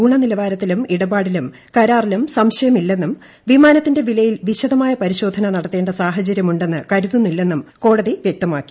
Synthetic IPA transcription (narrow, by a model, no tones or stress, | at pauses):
uːɳɐnilɐʋaːɾɐt̪ːilumiɽɐbaːɽilum | kɐɾaːrilumsɐmɕɐjɐmilːe̞nːum | ʋimaːnɐt̪ːinde̞ʋilɐjilʋiɕɐðɐmaːjɐpɐɾiɕo̞ːd̪ʱɐnɐnɐɽɐt̪ːe̞ːɳɖɐsaːɦɐt͡ɕɐɾjɐmuɳɖe̞nːɨkɐɾuðunːilːe̞nːumko̞ːɽɐðiʋjek̚t̪ɐmaːkːi̥